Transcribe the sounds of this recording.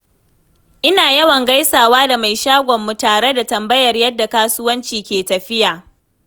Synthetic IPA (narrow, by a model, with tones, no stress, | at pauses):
ʔɪ˦naː˨jɐ˦wɐ˨ŋɡa˦jsaː˨waː˦da˨ma˨jʃaː˦ɡʷɔ˨mːu˦taː˨ɽe˦da˨tɐ˨mbɐ˦jɐ˨rjɐ˦dːa˨kaː˦sʊ˦wɐ˦nt͡ʃiː˨kʲeː˨tɐ˨ɸɪ˦jaː˨